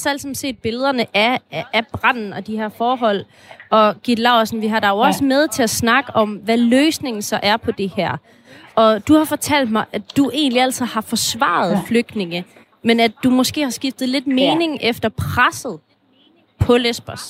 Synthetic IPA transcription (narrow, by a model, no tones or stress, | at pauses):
sæl̰sɒmse̝̰ːd̥̚b̥e̝ləð̞ˠɐnəʔæb̥ʁɑn̰n̩ɒ̽d̥ihæɐ̰fɒːɦɒ̽l̰ | ɒ̽ɡ̥id̥lɑ̈ʊ̰sn̩ʋiɦɑ̈ɾɑ̈joʊɒ̽səmeð̞ˠt͡sʰe̝æsnɑ̈ɡ̥əʔɒ̽mʋæløːsne̝ŋn̩sɒ̽ʔæɐpʰɒ̽d̥e̝hæɐ̰ | ʔɒ̽d̥uhɑ̈fɒ̽t͡sʰæl̰d̥̚mɑ̈ɪʔæd̥uʔe̝̰ːnliæl̰s̩ʰˠhɑ̈fɒ̽sʋɑ̰̈ð̞̩ˠfløɡ̥̚d̥ne̝ŋə | menæd̥umɒ̽sɡ̥e̝̰ːhɑ̈sɡ̥ifd̥ð̩ˠle̝d̥me̝ːne̝ŋʔefd̥ɐpʰʁasð̩ˠ | pʰɒ̽lesb̥ɐs